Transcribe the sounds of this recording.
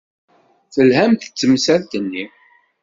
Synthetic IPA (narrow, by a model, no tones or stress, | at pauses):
θəlhæmt̪ə̥t͡sːəmsæðt̪ənːi